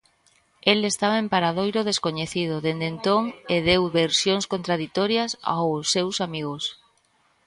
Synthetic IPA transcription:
elest̪aβɐempaɾaðojɾʊð̞eskoɲeθiðʊðend̪ent̪oŋeðewβeɾsjoŋskont̪ɾaðit̪oɾjɐsa̰wsːewsamiɣʊs

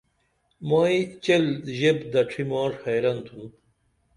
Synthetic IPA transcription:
maːit͡ɕelʑebd̪ɐʈ͡ʂʰimɑːʐhɐjɾɐnt̪ʰun

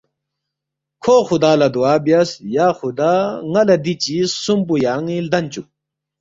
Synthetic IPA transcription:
kʰoːxud̪aːlɐd̪uaːbjasjaːxud̪aːŋɐlɐd̪it͡ɕisumpujaːŋild̪ɐnt͡ɕu

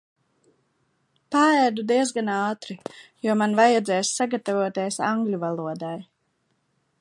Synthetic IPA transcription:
paæd̪ud̪iɛzɡanaːt̪ɾijuɔmanvajad̪zɛːjsːaɡat̪avuɔt̪eɛsa̰ŋɡlʲuvalˠuɔd̪aj

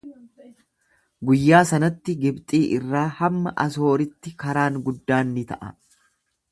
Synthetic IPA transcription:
ɡʊjːaːsɐnɐt̪ːɪɡɪbt̪ʼiːʔɪrːaːhɐmːɐʔɐ̰s̬o̞ːɾɪt̪ːɪkɐɾaːŋɡʊd̪ːaːnːɪt̪ɐ̰ʔɐ̰

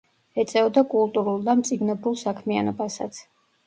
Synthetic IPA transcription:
ɛt̪sʼɛɔd̪akʼulˠt̪ʼuɾulˠd̪amt̪sʼid̪nɛbulˠsakʰmianɔbasat̪sʰ

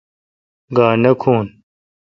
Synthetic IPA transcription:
ɡaːnɐkʰuːn

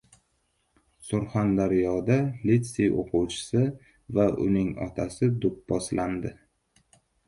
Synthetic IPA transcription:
sʊɾχand̪aɾjɒd̪alit̪sejʔo̰qʰʊwt͡ʃʰɪ̥sɪ | vaʔʊ̰nɪŋɒ̰t̪ʰasɪd̪ʊp̚bɒslʔand̪ɪ

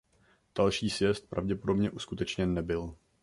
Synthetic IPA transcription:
d̥alʃiːsvjɛst̪̚pɾʔa̰vɟɛpodo̞bɲɛʔuskut̪ɛt͡ʃɲɛnːɛbɪl

